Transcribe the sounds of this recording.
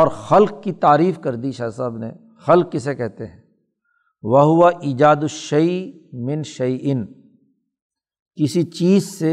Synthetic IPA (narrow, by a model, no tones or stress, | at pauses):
ɔːɾxɐlq̚kit̪aːɾiːfkɐɾd̪iʃaːsɐbnḛ | xɐlq̚kɪsekɛɦt̪eɦɛ̃ː | ʋɐɦʊʋaʔiːd͡ʒaːd̪ʊʃɐi | mɪ̃nʃɐjʔɪn | kɪsit͡ʃiːzse